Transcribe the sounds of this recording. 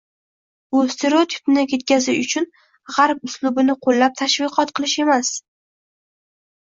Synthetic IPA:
bʊst̪ʰeɾot̪ʰɪ̥pnɪkʰʲe̞t̪̚kʲazɪʃʊt͡ʃʰʊn | ʁaɾp̚ʊslʊbɪnɪqʰolːap̚t̪ʰaʃvɨqʰɒt̪qʰɨlˠɪʃe̞mas

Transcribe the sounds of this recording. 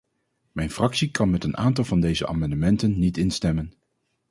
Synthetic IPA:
mɛjnfrɑksikɑnmɛtənʔaːntɑlˠvɑndejzəʔa̰ːmɑndəmɛntənːitɪnstɛmən

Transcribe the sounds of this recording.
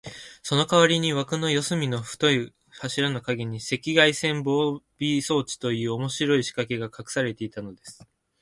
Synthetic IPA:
so̞no̞kaβaɾʲiɲ̟iβakɯ̟no̞jo̞sɨmʲino̞ɸɯ̟̥t̪o̞i | haɕiɾano̞kaɡʲiɲ̟ise̞kʲiɡaisẽ̞mbo̞ːbʲiso̞ːt͡ɕi̥t̪o̞jɯ̟ːo̞mo̞ɕiɾo̞iɕi̥kake̞ɡakakɯ̟̥saɾe̞t̪e̞it̪ano̞d̪e̞sɨ̥

